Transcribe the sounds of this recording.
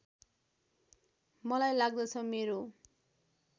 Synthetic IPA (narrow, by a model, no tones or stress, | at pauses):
mɔlajlaɡ̚d̪et͡sʰɔmeɾo